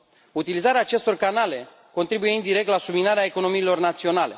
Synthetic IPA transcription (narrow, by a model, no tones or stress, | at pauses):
ut̪ilizaɾeaːt͡ʃe̞st̪o̞rkanale̞ | ko̞nt̪ɾibuje̞ɨnd̪iɾe̞k̚t̪lasuminaɾeaeko̞no̞miːlo̞rnat̪sio̞nale̞